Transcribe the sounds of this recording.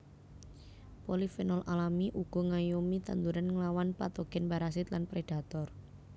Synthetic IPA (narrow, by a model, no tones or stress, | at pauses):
pɔlifɛnɔlʔalamiʔuɡ̥ɔ̤ŋajumit̪a̰nd̪uɾanŋəlawanpat̪oɡ̥ɛnbaɾas̬ɪt̪lanpɾeɖ̥a̤t̪ɔr